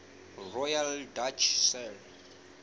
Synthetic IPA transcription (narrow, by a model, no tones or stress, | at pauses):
rɔjaldat͡ʃʰsɛl